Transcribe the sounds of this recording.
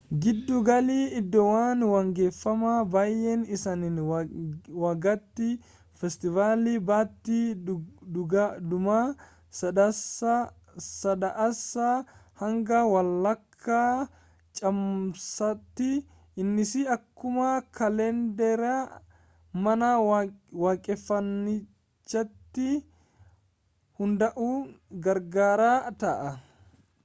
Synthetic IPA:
ɡɪd̪ːʊɡɐliːɪd̪ːɔwaːnwɐŋɡeːfːɐmabaːjːɛnɪsɐnɪn | wɐɡɐt̪ːɪ | fɛst̪ɪvaːliːbaːt̪ːi | ɡd̪ʊma | sɐ | sɐd̪ɐʔɐsːɐhɐŋɡɐwɐlːɐkʰːaː | t͡ʃʼɐmsɐt̪ːɪ | ɪnːɪsɪɐkːʊmɐkʰɐlɛnd̪ɛɾa | mɐnɐwaːkʼɛfːɐnːɪ | t͡ʃːɐt̪ːɪ | hʊnd̪ɐʔuːɡɐɾɡaːɾaːt̪ɐʔɐ

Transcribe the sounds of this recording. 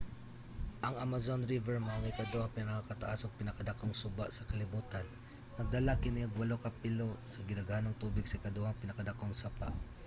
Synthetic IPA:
ʔɐŋʔamazonɾivɛɹmɐaŋajkɐd̪ohaŋpɪnɐkakɐt̪aʔasoŋpɪnɐkɐd̪ɐkoŋsʊbaʔsɐkɐlɪbuːt̪anː | ɐɡ̚d̪ɐlakɪnɪɐɡwɐlokɐpɪlosɐɡɪnɐɡhanoŋt̪uːbɪɡsɐkɐd̪ohaŋpɪnɐkɐd̪ɐkoŋsapaʔ

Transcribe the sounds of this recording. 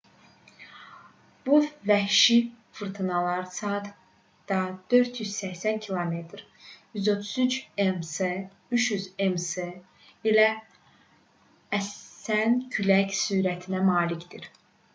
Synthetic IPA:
b̥uvæhʃi | fɯɾt̪ʰɯnɑlˠɑɾsɑt̪ | d̪̥ɑd̪̥ø̞ɾt̪ʰjyz̥sæçsæncʰilˠome̞t̪ʰɾ | jyzo̞t̪ʰu̥zynt͡ʃemse | yʃjyzemse | ilæ | æsæncʰylæcsyːɾæt̪ʰinæmɑːlicʰd̪̥iɾ

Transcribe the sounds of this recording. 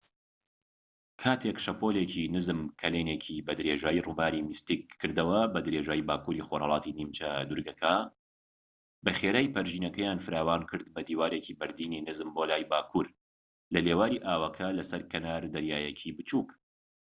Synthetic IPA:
kʰaːt̪ʰekʃɐpoleːcʰinɨzɨmkʰɐleːneːkʰibɐd̪ɨɾeʒaːjiruːbaːɾimist̪ikʰːɨɾd̪ɐwɐbɐd̪ɨɾeʒaːjibaːkuːɾixoɾhɑ̰lˠɑːt̪iniːmt͡ʃɐd̪ʊɾɡɐkʰa | bɐχeːɾaːjpɐɾʒiːnɐkɐjaːnfɨɾaːwaːnkʰɨɾd̪̚bɐd̪iːwaːɾeːciːbɐɾd̪iːninɨzɨmbolaːjbaːkʰuɾ | lɐleːwaːɾiːʔaːwɐkʰɐlɐsɐɾkʰɐnaːɾd̪ɐɾjaːjɛkʰibɨt͡ʃuːk

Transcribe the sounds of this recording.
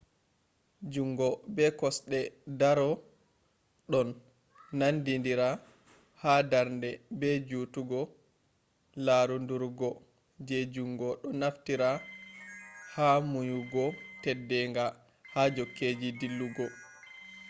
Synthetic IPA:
d͡ʒuŋɡɔbɛkɔsɗɛdaɾɔ | ɗɔnː | andindiɾa | hadaɾndɛbɛd͡ʒuːtuɡɔ | laɾunduɾɡɔ | d͡ʒɛd͡ʒuŋɡɔɗɔnaftiɾa | hamujuɡɔtɛdːɛŋɡa | had͡ʒɔkːeːd͡ʒidilːuɡɔ

